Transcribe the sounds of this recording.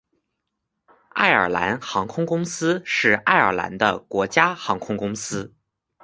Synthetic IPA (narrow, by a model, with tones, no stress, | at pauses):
a̰˥˩ɪə̰˞˨˩la˧˥nxɑ˧˥ŋkʰʊ˥ŋkʊ˥ŋsɹ̩˥ʂɻ̩˥˩a˥˩ɪə̰˞˨˩la̰˧˥nd̪ə˧kwɔ˧˥t͡ɕja˥xɑ˧˥ŋkʰʊ˥ŋkʊ˥ŋsɹ̩˥